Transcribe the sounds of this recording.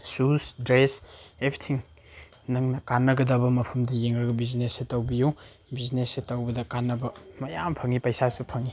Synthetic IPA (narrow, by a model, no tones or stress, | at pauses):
susdɾesebɾitʰiŋ | nɐŋnɐkanːɐɡɐdɐbɐmɐpʰɐmdɐjeŋɾɐɡɐbiznesetɐwbiju | biznesetɐwbɐdɐkanːɐbɐmɐjampʰɐŋipɐjsasupʰɐŋi